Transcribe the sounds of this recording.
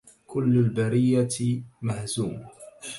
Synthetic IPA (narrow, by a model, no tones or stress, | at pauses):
kʊlːalbaɾɪjːamahzuːma